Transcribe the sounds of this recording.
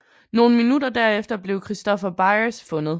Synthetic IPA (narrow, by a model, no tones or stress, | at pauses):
no̝ːn̩minudɐd̥æɐefd̥ɐb̥le̝ʊkʰʁisd̥ɒ̽fɐb̥ɑ̈ɪɐsfɔ̽nð̩ˠ